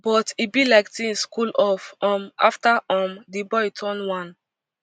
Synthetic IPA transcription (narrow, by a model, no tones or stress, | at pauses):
b̥ɔtibilaɪktĩŋskulɔfɔ̃ma̰ftaʔɔ̃mdibɔjtʰɔ̃nwãn